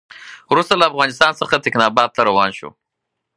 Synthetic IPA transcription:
wɾust̪alaːfɣɑnɪst̪ɑnsəxat̪ɪknɑbɑd̪̚t̪aɾawɑ̰nʃo̰

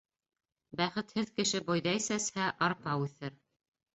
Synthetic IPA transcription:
bæχɘt̪hɘðkɘ̆ʃɘbojðɑisæshæʔɑɾpɑʉθɘɾ

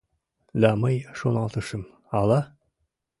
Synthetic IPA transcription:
lɑmɤjʃunɑnt̪ŏʃɤm | ɑlˠɑ

